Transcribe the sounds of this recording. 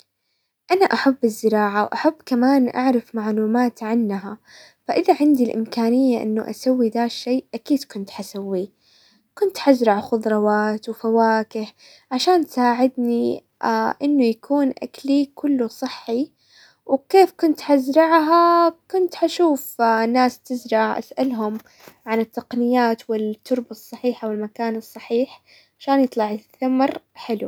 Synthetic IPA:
ʔanaʔaħabːɪzːɪɾɑːʕawʔaħabːkamaːnʔa̰ʕɾˤɪfmaʕluːmaːt̪ʕanːɦa | faʔɪðaʕɪnd̪ilʔɪ̰mkaːnɪjːaʔɪ̰nːuʔa̰sawːid̪aːʃːeːʔakiːd̪kʊnt̪ħasawːi | kʊnt̪ħazɾɑʕxʊd̪ˤɾˤɑwaːt̪wfawaːkɪh | ʕaʃaːnt̪saːʕɪd̪ni | ʔɪnːʊjakuːnʔa̰klikʰʊlːusˤɨħːi | wkeːfkʊnt̪ħazɾɑʕɦakʊnt̪ħaʃuːfnːaːst̪ɪzɾˤɑʕʔa̰sʔalɦʊm | ʕanɪt̪ːɑqnɪjːaːt̪wɪlt̪ːʊɾbɑsˤːɑħiːħawɪlmakaːnɨsˤːɑħiːħ | ʕaʃaːnjɨt̪ˤlɑʕɪθamɾˤħɪlṵ

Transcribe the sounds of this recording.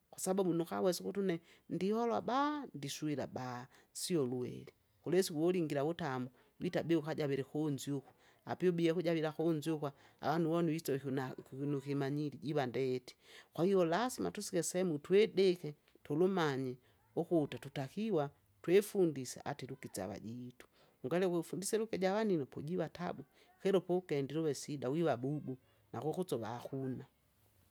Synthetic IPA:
kwasabumunuka̰wɛsikutunɛ | ndihɔlwa̰bandisuila̰baː | siɔluɛ̰li | kulɛsiwɔliŋɡiɾaβutamu | witabɛukaɟaβiɾɛkonziuku̥ | a̰piɔbiɛkuɟaβiɾakonziukwa | a̰wanuwɔnuitɔ | nukimaɲiliɟiβandɛti̥kwahijɔlasima̰tusikɛsɛmutwɛdɛkɛ | tɔlumaɲɛ | ukutatutakiwa | twɛfundisa̰ʔatiɾukit͡sa̰βa̰ɟiːtu̥ | uŋɡalɛkifundisɛɾukɛɟaβaninɔpɔɟiβata̰bu | kɛɾɔpɔkɛndiɾuβɛsidawiβabubu | nakukut͡sɔβa̰ːxuna

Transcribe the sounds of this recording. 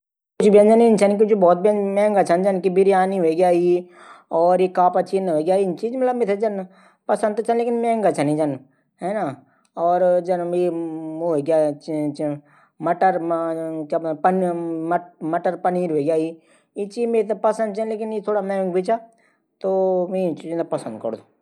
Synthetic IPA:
kʊt͡ʃʰbiãnd͡ʒaniɪnt͡ʃʰaːnk̬it͡ʃbɔːt̪̚bə̃mɛ̃ːŋɡɐt͡ʃʰand͡ʒɐnkibɪɾijaːniɦoeɡjaːɦi | ɔːɾjekaːpɐt͡ʃʰinɦoɡjaːint͡ʃiːd͡ʒmɐt̪ləbmet̪ʰed͡ʒɐn | pɐsə̃nt̪t͡ʃanleːkɪnmɛ̃ːŋɡɐt͡ʃʰanĩd͡ʒɐn | ɦɛːna | ɔːɾd͡ʒɐnː | ɡjaːt͡ʃt͡ʃ | mɐʈəɾkaːpənmmɐʈəɾpəniːɾɦoɡjaːi | it͡ʃiːmeːɾt̪̬apɐsə̃nd̪̚t͡ʃənleːk̬ɪnjet̪ʰoːɽamɛ̃ːŋɡbit͡ʃa | t̪omɛ̃t͡ʃid͡ʒnt̪apɐsə̃nd̪̚kə̰ɽd̪oː

